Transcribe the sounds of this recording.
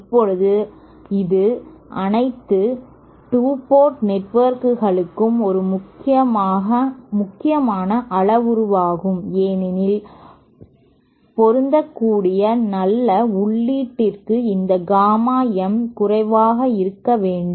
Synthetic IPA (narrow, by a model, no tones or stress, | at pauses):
ɐpːɔɻɯðɯ | ɪðɯʔɐnɐɪt̪ːɯ | ʈuːpoːɾʈnɛʈʋɐɾkɯɣɐɭɯkːɯmɔɾɯmʊkːɪɐmːɐmʊkːɪjɐmaːnɐʔɐɭɐʋʊɾʊʋaːɣɯmeːnɪnɪl | pɔɾɯnd̪ɐkːuːɽɪjɐnɐlːɐʊɭːiːʈːɪrkɯɪnd̪ɐɡaːmaːjɛmkʊrɐɪʋaːɣɐɪɾɯkːɐʋeːɳɖɯm